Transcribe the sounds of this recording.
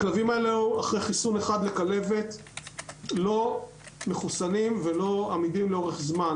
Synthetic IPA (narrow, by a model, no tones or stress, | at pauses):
aklavimaelehuaχʁejχisune̞χad̪le̞kale̞ve̞t | lo̞ | me̞χusanimve̞lo̞amidimleo̞ʁeχzman